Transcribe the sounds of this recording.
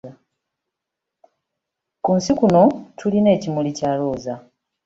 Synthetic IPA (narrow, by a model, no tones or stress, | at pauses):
kunsikuno̞tʰuline̞ːcimulicaːlo̞ːza